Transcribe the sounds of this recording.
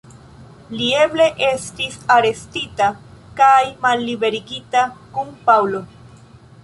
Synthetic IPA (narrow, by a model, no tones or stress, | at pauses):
lie̞ble̞ʔe̞stisaɾe̞stitakajmalːibe̞ɾiɡitakunpawlo̞